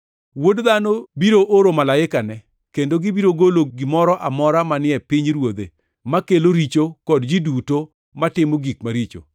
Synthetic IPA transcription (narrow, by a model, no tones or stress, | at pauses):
wodd̪anobiɾoʔoɾomalaɪkanɛ | kendoɡɪbiɾoɡoloɡɪmɔɾɔʔamɔɾamanɪɛpiɲɾwod̪ḛ | makeloɾit͡ʃokɔdd͡ʒiduto | matɪmoɡikmaɾit͡ʃo̰